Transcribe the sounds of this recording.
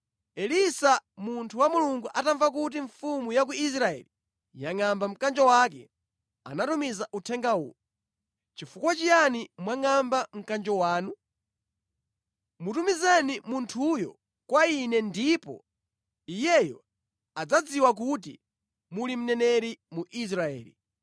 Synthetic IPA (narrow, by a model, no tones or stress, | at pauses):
ɛlisamuntʰuwamuluŋɡuʔataɱvak̬ut̬iɱfumujakuis̬ɾaɛ̰li | jaŋambam̩kand͡ʒɔwakɛ̰ | a̰natumizaʔutʰɛŋɡawṵː | t͡ʃifukwat͡ʃijanimwaŋambam̩kand͡ʒɔwaːnu | mutumizanimuntʰujɔ̰ | kwainɛndipɔ̰ | ijɛjɔ | ad͡zad͡ziwak̬ut̬ḭ | mulim̩nɛnɛɾimuʔis̬ɾaɛ̰ːlḭ